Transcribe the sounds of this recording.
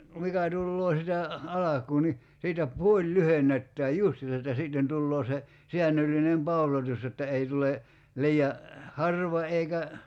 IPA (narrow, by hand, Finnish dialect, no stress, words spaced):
mikæ tulːoː sitæ ɑlɑkˑuː ni siːtæ puolʲ lyhenˑetːæːj justiːsɑ etːæ siˑtːen tulːoː se siænːølːinem pɑulotus jotːɑ ei tule liːɑ hɑrʋɑ eikæ